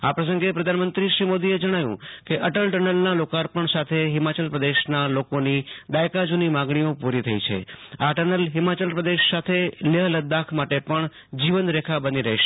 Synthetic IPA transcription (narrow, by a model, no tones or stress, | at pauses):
apɾəs̬ə̃ŋɡepɾəd̪ʱanmənt̪ɾiʃɾimod̪ied͡ʒəɽ̃aʋjṵ̃keʔəʈəlʈənəlnalokaɾpəɳsat̪ʰeɦɪmat͡ʃəlpɾəd̪eʃnalokonid̪ajkad͡ʒunimãɡɳ̃iõpuɾit̪ʰəit͡ʃʰḛaʈəɾnəlɦɪmat͡ʃəlpɾəd̪eʃsat̪ʰeləɦləd̪akʰmaʈepəɳ | d͡ʒiʋənɾekʰabəniɾə̰ɦʃe